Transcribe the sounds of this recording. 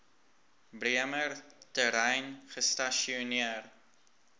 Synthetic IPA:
briəmərtəɾɛjnχəstaʃioniər

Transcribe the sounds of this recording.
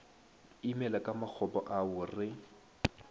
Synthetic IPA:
imɛlakʼamak͡xʰɔbɔ̰ʔaʊrɪ

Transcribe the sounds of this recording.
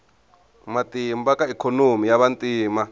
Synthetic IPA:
matʼimbakʼaikʰonomijaβantʼiːma

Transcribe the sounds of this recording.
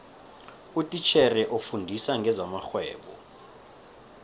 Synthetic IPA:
utʼit͡ʃʰɛrɛʔofundʱisaŋɡʱɛzamaxwɛːɓɔ̰

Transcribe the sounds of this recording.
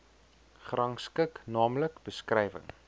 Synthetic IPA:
χrɐŋskəknɑːmləkb̥əskrɛjvə̰ŋ

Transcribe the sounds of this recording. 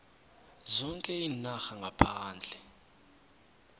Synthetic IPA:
zɔŋkʼɛinaxaŋɡʱapʰaːnd͡ɮʱɛ

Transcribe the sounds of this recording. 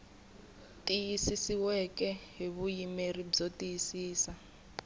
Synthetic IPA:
tʼijisisiwɛkʼɛɦeβujimerib͡ʐotʼijisiːsa

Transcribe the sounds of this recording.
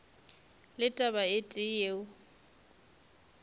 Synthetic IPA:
lɪtʼabaɪtʼɪjeːʊ

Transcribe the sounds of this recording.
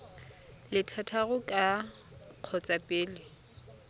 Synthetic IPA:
lɪtʰatʰaɣʊkʼa | q͡χʰɔt͡sʼapʼeːlɪ

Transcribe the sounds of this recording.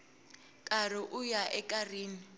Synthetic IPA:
kʼarɪʔʊjaʔɛkʼariːni

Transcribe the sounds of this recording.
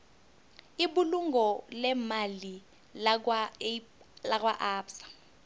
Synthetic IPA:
ibuluŋɡɔlɛmali | a | lakʼwaʔaːpsḁ

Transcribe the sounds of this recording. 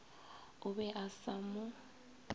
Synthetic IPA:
ʊβɛʔasamʊ

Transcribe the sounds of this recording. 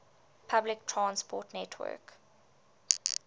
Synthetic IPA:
pʰablɪk̚tʰɹãnspʰɔtnɛtʰwɜ̰k

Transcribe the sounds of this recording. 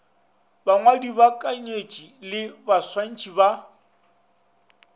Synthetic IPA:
baŋwadibakʼaɲet͡ʃʼilɪbaswan̩t͡ʃʼiba

